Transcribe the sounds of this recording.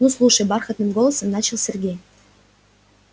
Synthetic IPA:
nuslˠuʂəjbɑrxə̆t̪nɨ̆mɡolˠəsə̆mnɑt͡ɕə̆lˠsʲɘ̆rɡʲe

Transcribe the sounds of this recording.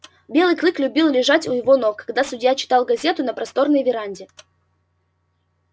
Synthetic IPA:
bʲe̞lˠɨjklˠɨklʲʊbʲilˠlʲɪʐatʲʊjɪvo̞nokːɐɡd̪asʊdʲjat͡ɕɪ̥t̪alˠɡɐzʲet̪ʊnəpɾɐst̪o̞rnəjvʲɪɾanʲdʲɪ

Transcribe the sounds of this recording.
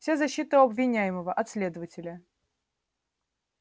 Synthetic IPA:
fsʲazɐɕːit̪əɐbvʲɪnʲæjɪməvəʔɐt̪sʲlʲe̞d̪əvətʲɪlʲə

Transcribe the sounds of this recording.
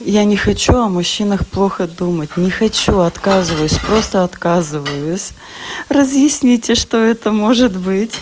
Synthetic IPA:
janʲɪxɐt͡ɕuɐmʊɕːinəxplˠo̞xəd̪umət̚ʲnʲɪxɐt͡ɕuɐt̪kazɨvəjʊsʲpɾo̞st̪əɐt̪kazɨvəjʊsʲ | rəzjɪsʲnʲitʲɪʂt̪oɛt̪əmoʐɨt̪bɨtʲ

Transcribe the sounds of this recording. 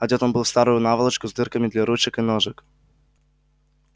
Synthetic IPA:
ɐdʲot̪onbɨlˠfst̪aɾʊjʊnavəlˠət͡ɕkʊzd̪ɨrkəmʲɪd̪lʲaɾut͡ɕɪkɨnoʐɨk

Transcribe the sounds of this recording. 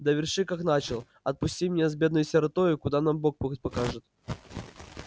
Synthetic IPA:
d̪əvʲɪrʂɨkakn̪at͡ɕɪlˠ | ɐt̪̚pʊsʲtʲimʲnʲezbʲe̞d̪nʊjʊsʲɪɾɐt̪ojʊkʊd̪anambok̚pɨxət̚ʲpɐkaʐɨt̪̚

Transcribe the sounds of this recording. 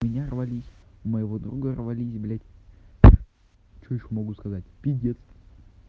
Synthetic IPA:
mʲɪnʲarvɐlʲisʲməjɪvod̪ɾuɡərvɐlʲisʲblʲatʲ | t͡ɕojɪɕːomɐɡuskɐzatʲpʲidʲet̪st̪ə

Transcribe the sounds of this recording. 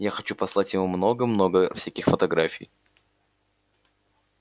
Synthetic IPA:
jaxɐt͡ɕupɐslˠatʲjɪmumno̞ɡəmno̞ɡəfsʲækʲixfət̪ɐɡɾafʲɪ̰j

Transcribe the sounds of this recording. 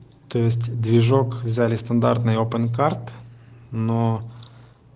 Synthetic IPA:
t̪ojɪsʲtʲd̪vʲɪʐokvzʲælʲɪst̪ɐnd̪art̪nɨjopənkart̪ | no

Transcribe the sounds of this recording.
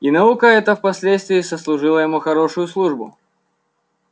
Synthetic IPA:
inɐukəɛt̪əfpɐsʲlʲet̪st̪vʲɪːsəslˠʊʐɨlˠəjɪmuxɐɾoʂʊjʊslˠuʐbʊ̰

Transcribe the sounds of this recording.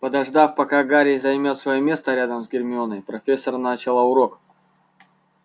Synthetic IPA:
pəd̪ɐʐd̪afpɐkaɡaɾʲɪjzɐjmʲot̪svɐjomʲe̞st̪əɾʲad̪əmzɡʲɪrmʲɪonəjpɾɐfʲe̞sːərnat͡ɕɪlˠaʊɾo̞k

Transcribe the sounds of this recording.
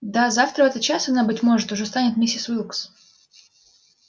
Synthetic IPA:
d̪azaft̪ɾəvɛt̪ət̪̚t͡ɕasɐnabɨtʲmo̞ʐɨt̪ʊʐɛst̪anʲɪt̪mʲisʲɪsvɨlˠks

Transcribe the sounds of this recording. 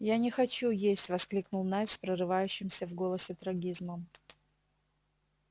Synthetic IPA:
janʲɪxɐt͡ɕujesʲtʲvɐsklʲiknʊlˠnajspɾərɨvajʉɕːɪmsʲəvɡo̞lˠəsʲɪt̪ɾɐɡʲizməm

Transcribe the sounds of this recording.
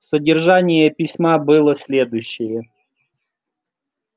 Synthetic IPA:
sədʲɪrʐanʲɪjəpʲɪsʲmabɨlˠəsʲlʲed̪ʊjɕːɪjə

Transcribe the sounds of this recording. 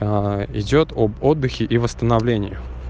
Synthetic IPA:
ɪ̰dʲo̞t̪obod̪ːɨxʲɪʔivəst̪ənɐvlʲenʲɪjɪ

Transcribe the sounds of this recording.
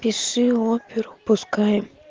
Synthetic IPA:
pʲiʂɨopʲɪɾʊpʊskajɪm

